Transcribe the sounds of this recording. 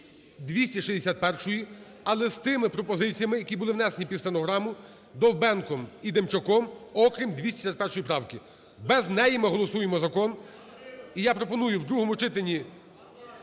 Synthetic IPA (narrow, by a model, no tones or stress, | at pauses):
d̪ʋʲisʲtʲiʃizʲd̪esʲat̪̚pɛrʃɔji | ɐlˠɛzt̪ɪmɪpɾɔpɔzɪt͡sʲijɐmɪjɐkʲibʊlˠɪʋwnɛsenʲipʲid̪sʲenɔɦɾɑmʊ | d̪ɔwbɛnkɔmid̪emt͡ʃɔkɔmɔkɾʲimd̪ʲʋʲisʲtʲe̥sʲat̪̚pɛrʃɔjipɾɑwkɪ | bɛznɛjɪmɪɦɔlˠɔsujemɔzɐkɔn | ijapɾɔpɔnujʊwd̪ɾuɦɔmʊt͡ʃɪt̪enʲi